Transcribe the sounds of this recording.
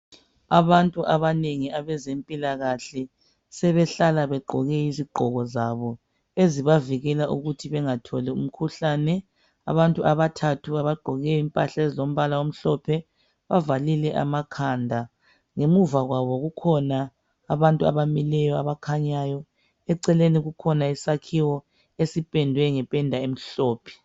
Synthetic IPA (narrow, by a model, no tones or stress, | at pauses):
aβantʼuʔaβaneŋiaβɛzempʼilaɣaɬɛ | sɛβɛɬalaβɛɡ͡ǃʱɔɣɛiziɡ͡ǃʱɔɣɔzaβɔ | eziβaviɣɛlaʔuɣutʰiβɛŋatʰɔlɛum̩kʰuɬaːnɛ | a̰βantʼuʔaβatʰatʰuaβaɡ͡ǃʱɔɣɛjimpʼa̰ɬaezilom̩βalawom̩ɬɔpʰɛ | βavalilɛʔa̰makʰandʱa | ŋemuvaɣwaβɔɣukʰɔnaː | βantʼua̰βamilɛjɔaβakʰaɲajɔ | ɛǀɛleniɣukʰɔnaisakʰiwɔ | esipʼɛndʱwɛŋɛpʼɛndʱaem̩ɬɔːpʰɛ̥